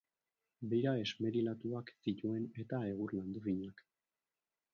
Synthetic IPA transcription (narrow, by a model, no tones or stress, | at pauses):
bejɾae̞zme̞ɾilat̪uaksit̪ue̞ne̞t̪ae̞ɣ̞urland̪ufiɲak